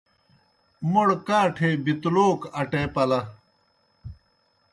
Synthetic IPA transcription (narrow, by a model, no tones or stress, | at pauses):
moɽkaːʈʰeːbit̪uloːkɐʈeːpɐlɐ